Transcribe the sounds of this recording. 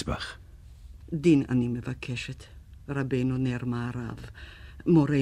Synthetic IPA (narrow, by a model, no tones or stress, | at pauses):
sb̥a̰χ | diːna̰nimɛvakʰɛʃɛtʰrabeːnɔnɛrmaɾavmɔɾe